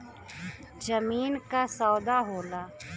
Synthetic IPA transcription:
d͡ʒəmiːnkasɔːd̪aɦoːlaː

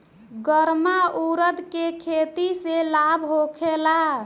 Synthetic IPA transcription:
ɡəɾmauɾəd̪kekʰet̪iselabʱɦokʰela

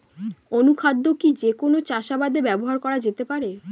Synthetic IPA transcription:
onukʰad̪ːokid͡ʑekonot͡ɕaʃabad̪ebɛboɦaɾkɔɾad͡ʑet̪epaɾe

